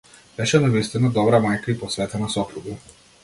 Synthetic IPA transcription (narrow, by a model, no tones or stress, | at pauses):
b̥ɛʃɛnavist̪inad̪ɔbɾamajkaipɔsvɛt̪ɛnasɔpɾuɡa